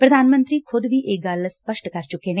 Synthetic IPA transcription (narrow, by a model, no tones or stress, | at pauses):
pɾəd̪aːnmə̃nt̪ɾiːkʰʊd̪ʋiːʔeːkɡəlspəʃʈkəɾt͡ʃʊkːeːneː